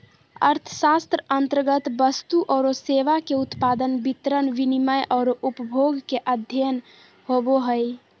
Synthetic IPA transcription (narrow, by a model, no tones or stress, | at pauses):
ə̰ɾt̪ʰəsast̪ɾəənt̪əɾɡət̪bəst̪uʔɔːɾoseʋakeut̪pad̪ənbit̪ɾənʋiniməjʔɔːɾoʔupəbʱoɡkeʔəd̪ʱjən | hoboɦəj